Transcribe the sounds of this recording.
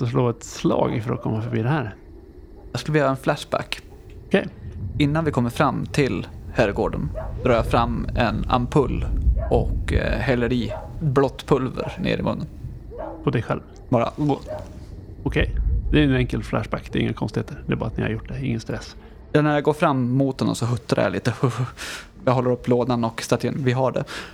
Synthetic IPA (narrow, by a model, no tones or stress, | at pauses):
sɔs̬loːɛt̪slɑ̰ːɡɪfəɾɔ̰kʰɔmːafœɾbiːd̪ɛhæːɾ | jɑskɵlvəjøːɾaɛnflæʂbæ̰kː | ɔkʰɛjɪnːanvɪkʰɔmːəɾfɾamːt̪ʰɪlhæːɾɡoːɖənd̪ɾɑːjɑfɾamːɛna̰mpʰɵlːʔɔkhɛlːəɾiːblɔt̪ːpʰɵlvə̰ɾnḛːɾɪ̰mʔɵ̰nːən | pʰɔd̪ɛjɧɛ̰lv | bɑːɾa̰ɡoː | ɔkʰɛjd̪ɛːɾɛnɛŋkəlflæʂbækːd̪ɛɾɪ̰ŋːakʰɔnst̪ɪheːt̪əɾd̪ɛɾbɑ̰ːɾat̪nɪha̰ɾjʊʈːd̪ɛɪŋːənst̪ɾɛs | jɑnæɾjaɡoːɾfɾamːmut̪hɛnɔ̰msɔɦɵt̪ʰːaɾja̰lḭːt̪əhɵ | jɑɦɔlːəɾɵpːloːd̪anɔkst̪at̪ʰɪənvɪɦaɖɛ̰